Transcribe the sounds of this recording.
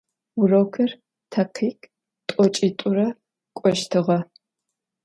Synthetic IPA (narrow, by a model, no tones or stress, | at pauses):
wʊrɐwkʰɐr | tʰɐqʰiːkʰʼ | tʼɔt͡ʃʼiːtʼʊɾɐ | kʷʼɔʃtʰɨʁɐ